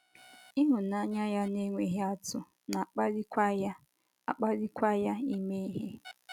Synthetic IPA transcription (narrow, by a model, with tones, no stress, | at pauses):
i˦ɦʊ˨na˦ɲa˦ja˦ne˦ŋʷe˨ɦe˦a˦tʊ˦ | na˨k͡pa˦ɾi˦k | a̰˨k͡pa˦ɾi˦kʷa˦ja˦i˦me˦i˦ɦe˦